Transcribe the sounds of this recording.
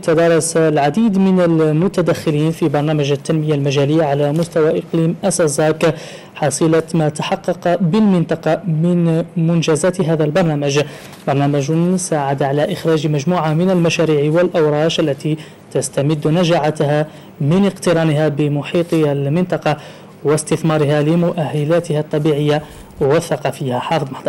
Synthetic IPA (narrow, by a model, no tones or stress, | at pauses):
t̪ad̪ɑːɾˤɑslʕad̪iːd̪mɪnalmʊt̪ad̪axːɪliːnfibɑɾˤnaːmaʒat̪ːanmɪjːalmaʒaːlɪjːaʕalamʊst̪awaʔɪqliːmʔasɑzˤɑːk | ħɑsˤɨlamat̪ḁħɑqːɑqbɪlmɪnt̪ˤɑqɑmɪnmʊnʒaːzaːt̪ɦaːðalbɑɾˤnaːmaʒ | bɑɾˤnaːmaʒsaːʕad̪aʕalaʔɪxɾɑːʒmaʒmuːʕamɪnalmaʃaːɾiːʕwɪlʔawɾˤɑːʃʔalːat̪i | t̪ast̪amɪd̪ːnaʒaʕat̪ha | mɪnɪqt̪ɪɾɑːnɪɦabɪmʊħiːt̪ˤalmɪnt̪ˤɑqɑ | wɪst̪ɪθmɑːɾɪɦalɪmʊʔahːalaːt̪ɪhat̪ˤːɑbiːʕɪjːa | wɪθːɑqɑːfɪːhaħɑːfɨðˤmɑħd̪ˤɑɾˤ